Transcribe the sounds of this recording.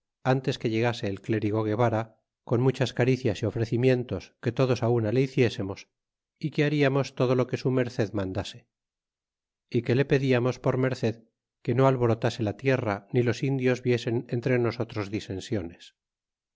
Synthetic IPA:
ant̪e̞ske̞ʎe̞ɣase̞ːlkle̞ɾiɣo̞ɣ̞e̞βaɾa | ko̞nmut͡ʃaskaɾiθjasio̞fɾe̞θimje̞nt̪o̞ske̞t̪o̞ðo̞saunaleiθje̞se̞mo̞s | ikeaɾiamo̞st̪o̞ð̞o̞lo̞ke̞sume̞ɾθe̞ðmãnd̪ase̞ | ike̞le̞pe̞ðiamo̞spo̞ɾme̞ɾθe̞ð | ke̞no̞alβo̞ɾo̞t̪ase̞lat̪je̞ranilo̞sind̪jo̞zβje̞se̞ne̞nt̪ɾe̞no̞so̞t̪ɾo̞zðise̞nsjo̞nes

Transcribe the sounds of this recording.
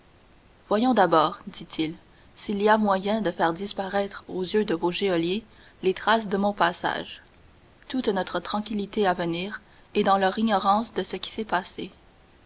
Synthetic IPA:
vwajɔ̃d̪abɔːʁd̪it̪ʰil | siliamwajɛ̃d̪əfɛʁd̪ispaʁɛt̪χozjød̪əvoʒeɔlje | let̪ʁas̬d̪əmɔ̃pasa̰ːʒ | t̪ut̪nɔt̪χət̪χɑ̃kʲilit̪eavəniːʁ | ed̪ɑ̃lœʁiɲɔʁɑ̃sd̪əsəkʲi̥sɛpase

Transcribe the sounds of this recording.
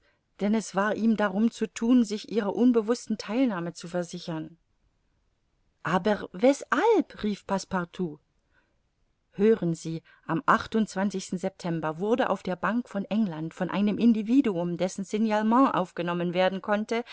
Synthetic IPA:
d̥ɛnɛsv̥aːɐʔiːmdaʁʊmt͡sutʰuːnzɪçʔiːʁɐʔʊnbəvʊstn̩tʰaɪlnaːmət͡sufɛɐzɪçɐn | ʔaːbɐvɛshalpʁiːfpʰaspaʁtʰuː | høːʁənziː | ʔamʔaχtʊntt͡sv̥ant͡sɪçstn̩zɛp̚tʰɛmbɐvʊɐdəʔa̰ʊfd̥eːɐbaŋkfɔnʔɛŋlantfɔnʔa̰ɪnəmʔɪndiviːduʊmdɛsn̩sɪnjalmɑ̃ːʔa̰ʊfɡ̥ənɔmənveːɐdn̩kʰɔntə

